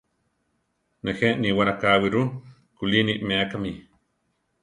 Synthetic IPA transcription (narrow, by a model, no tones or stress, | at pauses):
nexeʔniwaɾakawiɾu | kuliniʔmeakami